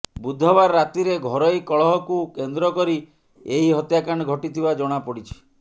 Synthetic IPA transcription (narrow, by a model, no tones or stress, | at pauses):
bud̪ʱːɔbaɾːat̪iɾeɡʱɔɾɔjkɔɭɔɦɔkukend̪ɾɔkɔɾi | eɦiɦɔt̪jakaɽ̃ɔɡʱɔʈit̪ʰibad͡ʒɔɽ̃apɔɽit͡ʃʰi̥